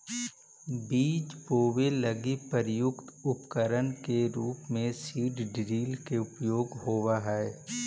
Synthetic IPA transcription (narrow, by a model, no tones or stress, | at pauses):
biːt͡ʃpoːʋeləɡipəɾjʊkt̪ʊpkəɾənkeɾuːpmẽsiːɖɖɾiːlkeʊpjoːɡɦoːwaɦɛː